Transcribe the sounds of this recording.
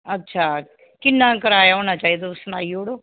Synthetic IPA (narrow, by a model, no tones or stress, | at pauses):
ɐtːʃʰaː | kɪnːãkəɾaːjaɦoːnat͡ʃaːɦid̪oʊsnaːioːɽoː